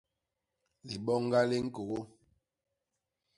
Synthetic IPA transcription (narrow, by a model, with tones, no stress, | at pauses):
li˨ɓɔ˦ŋ˦ɡa˦le˦ŋ̩˦ko˨ɣo˦